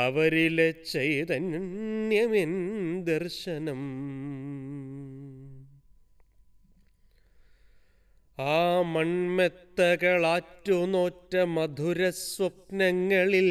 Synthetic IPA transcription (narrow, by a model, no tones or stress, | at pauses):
ɐʋɐɾilet͡ʃejt̪ɐnnjɐmind̪ɐɾʂɐnɐm | aːmɐɳmet̪ːɐkɐɭaːʈːunoːʈːɐmɐd̪ʱuɾɐsʋɐp̚nɐŋːɐɭil